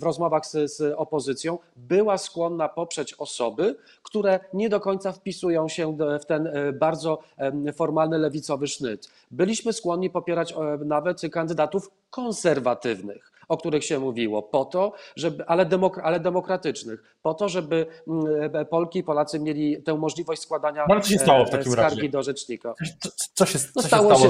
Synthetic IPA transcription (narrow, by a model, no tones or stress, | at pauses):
vɾɔzmɔvaxszɔpɔzɘt̪sʲjɔ̃w̃ | bɘwaskwɔnːapɔpʂɛt͡ɕɔsɔbɘ | kt̪uɾɛɲɛd̪ɔkɔɲt̪safpʲisujɔ̃w̃ɕɛft̪ɛnbaɾd̪zɔfɔɾmalnɘlɛvʲit̪sɔvɘʂnɘ̰t̪ | bɘlʲiɕmɘskwɔnɲːipɔpʲjɛɾat͡ɕnavɛt̪kand̪ɘd̪at̪uf | kɔ̃nsɛɾvat̪ɘvnɘ̰x | ɔk̚t̪uɾɘxɕɛmuvʲiwɔ̰pɔt̪ɔʐɛbʔalɛd̪ɛmɔkɾalɛd̪ɛmɔkɾat̪ɘt͡ʂnɘx | pɔt̪ɔʐɛbɘ | pɔlkʲiːpɔlat̪sɘmʲjelʲit̪ɛ̃w̃mɔʐlʲivɔɕt͡ɕʲskwad̪aɲaalɛt̪sɔɕ̬ɛt̪awɔft̪aisɾakaɾɡʲid̪ɔʐɛt͡ʂɲikḁsɔɕɛnɔst̪ɛawɔaɔɛ